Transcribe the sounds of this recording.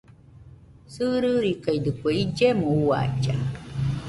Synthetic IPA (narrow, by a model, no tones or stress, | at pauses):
sɨɾɯɾikaid̪ɨkʷeid͡ʒemõua̰id͡ʒa